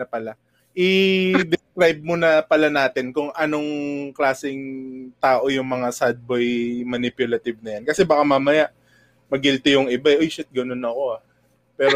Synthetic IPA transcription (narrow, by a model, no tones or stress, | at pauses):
pɐla | ʔɪd̪ɪskɾajb̚monɐpɐlanaːt̪ɪnkʊŋʔɐno̞ŋklaːsɪŋt̪aːʔo̞jʊŋmɐŋasad̪̚bojmɐnɪpjʊlɐt̪ɪb̚nɐjankɐsɛbɐkamamɐjaʔ | mɐɡɪlt̪ɪjʊŋʔɪbaɛʔojʃɪt̪̚ɡɐno̞nɐko̞a | pɛːɾo